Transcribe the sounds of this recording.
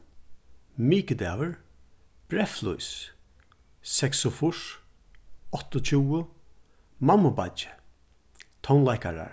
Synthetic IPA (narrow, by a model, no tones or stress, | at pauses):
miːkəd̪ɛːvəɹ | b̥ɾɛflṵjs | sɛksʊfʊʂ | ɔt̪ɔt͡ʃʰuːʊ | mamːʊbat͡ʃɪ̥ | t̪ʰɔwnlajkaɹa̰ɹ